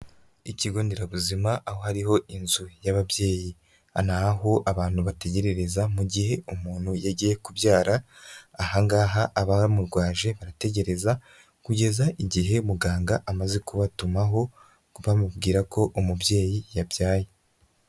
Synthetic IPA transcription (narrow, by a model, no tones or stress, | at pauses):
iciɡo̞ndeɾaβuzimaʔːho̞haɾiɦo̞inzujaβabje̞ːji | anaɦoʔaβaːn̥huβate̞ɟe̞ɾe̞ɾe̞zamuɟihe̞umuːn̥hujaɟije̞kubjaːɾaːhaŋɡaːɦaʔːβamuɾɡwaːʒe̞βaɾate̞ɟe̞ɾe̞za | kuɟe̞zaʔiɟiɦe̞muɡaːŋɡaʔamaze̞kuβatumaɦo̞ | uβamubɡiːɾakʰo̞ʔumubje̞ːjijabjaːje